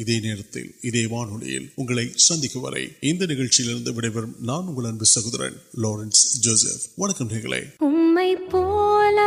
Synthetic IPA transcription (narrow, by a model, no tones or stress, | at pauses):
ɪðeːneːɾɐt̪ːɪ̰lɪðeːmaːnɯlɐ̰jɪ̰lʊŋɡɐɭɐɪsɐnd̪ɪkːɯʋɐ̰ɾɐ̰ɪɪnd̪ɐnɪɣɐɻt͡ʃːɪjɪlɪɾɯnd̪ɐʋɪɽɐɪʋɐɾɯmnaːnʊŋɡɐɭɐnbɪsɐɣɯðɪɾḛːnloːɾɐnsd͡ʒoːsḛfʋɐnɐkːɐmneɣɐɭɐ̰ɪʊmmɐɪpolɐ